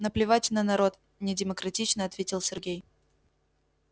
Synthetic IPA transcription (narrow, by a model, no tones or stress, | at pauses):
nəplʲɪvatʲnənɐɾo̞t̪ | nʲɪdʲɪməkɾɐtʲit͡ɕnəɐt̪vʲetʲɪlˠsʲɪrɡʲej